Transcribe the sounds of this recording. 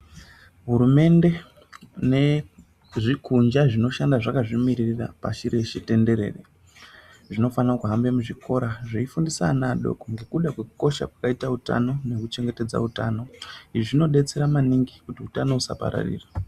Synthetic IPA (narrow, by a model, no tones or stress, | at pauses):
ɦuɾume̞nde̞ | ne | ʐikʰund͡ʒaʐino̞ʃandaʐakaʐimiɾirira̰pa̰ʃiɾe̞ʃete̞nde̞ɾe̞̰rḛ | ʐino̞fanrakuɦambe̞muʐikʰo̞ɾaʐiifundisa̰naɗo̰koŋɡe̞kuɗakwekuko̞ʃa̰kwḁkaitauta̰no̞ne̞kut͡ʃe̞ŋɡe̞te̞d͡za̰uta̰no̞iʐiʐino̞ɗe̞t͡se̞ɾamaniŋɡikutiutano̞usa̰pa̰ɾa̰rḭːra